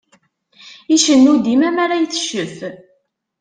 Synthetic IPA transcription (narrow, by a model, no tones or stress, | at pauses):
iʃənːud̪imæmaɾajθə̥ʃəf